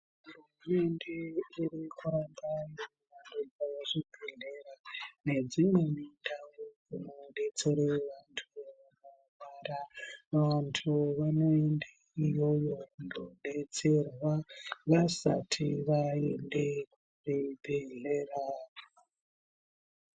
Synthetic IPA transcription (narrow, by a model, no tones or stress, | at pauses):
uruume̞nde̞irikuambaje | ʋanoɡaʐibʱeɮerane̞d͡zimwe̞mindaŋɡokunoɗe̞t͡seɾeʋantʰuʋano | ʋaraʋantʰuʋano̞ende | ijo̞jo̞ndo̰ɗe̞t͡se̞rwaʋasa̰tʰiʋae̞ndekuribʱeɮera